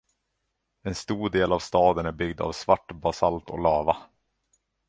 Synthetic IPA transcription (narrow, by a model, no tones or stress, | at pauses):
ɛnst̪uːɖeːlavst̪ɑːd̪ənæɾbʏɡd̪a̰vsvaʈːbasalt̪ɔ̰lɑːva